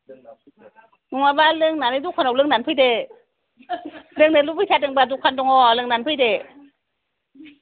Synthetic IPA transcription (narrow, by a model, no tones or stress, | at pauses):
nuŋabalɯŋnanɯdukʰanɔwlɯŋnanpʰɯjde | lɯŋnɯlupʰɯjtʰat̚ɯŋbadukʰandɔŋɔlɯŋnanpʰɯjde